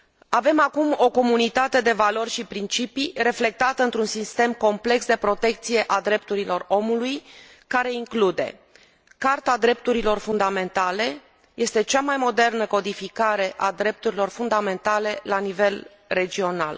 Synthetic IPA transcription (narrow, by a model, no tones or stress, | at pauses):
ave̞makumo̞ko̞munit̪at̪e̞d̪e̞valo̞rʲʃipɾint͡ʃipire̞fle̞k̚t̪at̪əɨnt̪ɾunsist̪e̞mko̞mple̞ksd̪e̞pɾo̞t̪e̞kt̪sije̞ʔad̪ɾe̞p̚t̪uɾilo̞ro̞muluj | kaɾe̞iŋklud̪e̞̰ | kart̪ad̪ɾe̞p̚t̪uɾilo̞rfund̪ame̞nt̪ale̞ | je̞st̪e̞t͡ʃamajmo̞d̪e̞rnəko̞d̪ifikaɾe̞ʔad̪ɾe̞p̚t̪uɾilo̞rfund̪ame̞nt̪ale̞lanive̞l | re̞d͡ʒio̞na̰l